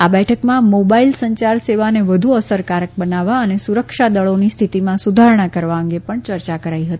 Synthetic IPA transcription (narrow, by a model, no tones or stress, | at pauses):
abɛʈʰəkmãmobailsəɲt͡ʃaɾseʋaneʋəd̪ʱuəsəɾkaɾək̚bənaʋaənesuɾəkʃad̪əɭonist̪ʰit̪imãsud̪ʱaɾɳakəɾʋaə̃ŋɡepəɳt͡ʃəɾt͡ʃakəɾaiɦət̪ii